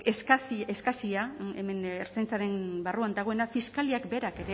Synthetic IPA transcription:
eskasieskasiaeme̞neɾt͡sajnt͡saɾe̞nbaruand̪aɣ̞o̞e̞nafiskaliakbe̞ɾake̞ɾe

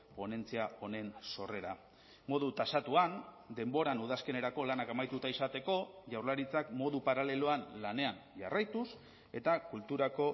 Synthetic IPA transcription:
po̞ne̞nt͡siao̞ne̞nso̞re̞ɾa | mo̞ðut̪asat̪uan | d̪e̞mbo̞ɾanuð̞aske̞ne̞ɾako̞lanakamajt̪ut̪aisat̪e̞ko̞ʝawɾlaɾit͡sakmo̞ðupaɾale̞loanlane̞anʝa̰rajt̪us | e̞t̪akult̪uɾako̞

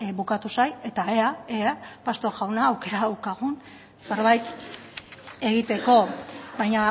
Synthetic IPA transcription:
βukat̪usaje̞t̪aeaepast̪o̞ɾɣawnaːwke̞ɾaðawkaɣ̞un | se̞ɾβajt̪ | e̞ɣit̪e̞ko̞βajɲa

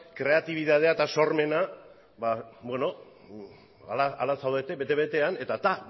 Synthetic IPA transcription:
kɾe̞at̪iβ̞iðað̞eaet̪aso̞rme̞na | babwe̞no̞ | a̰laalasawðe̞t̪e̞βet̪e̞βe̞t̪e̞ane̞t̪at̪a

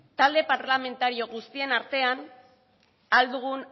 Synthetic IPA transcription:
t̪ald̪e̞paɾlame̞nt̪aɾio̞ɣust̪ie̞naɾt̪e̞an | ald̪uɣ̞un

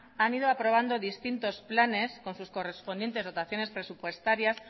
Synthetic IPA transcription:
anið̞oapɾo̞βand̪oðist̪int̪o̞splane̞sko̞nsusko̞respo̞nd̪je̞nt̪e̞zo̞t̪aθjo̞ne̞spɾe̞supwe̞st̪aɾjas

